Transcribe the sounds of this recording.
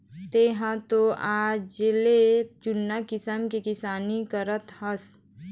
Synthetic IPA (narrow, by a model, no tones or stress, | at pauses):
t̪eɦãt̪oʔaːd͡ʒelet͡ʃʊnːakɪsəmkekɪsaːnikəɾət̪hɐs